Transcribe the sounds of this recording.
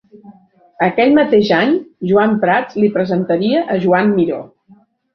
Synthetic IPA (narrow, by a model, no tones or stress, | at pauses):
əkɛʎmət̪eʒaɲʒuampɾat͡slipɾəzənt̪əɾiəʔːʒuamːiɾo̰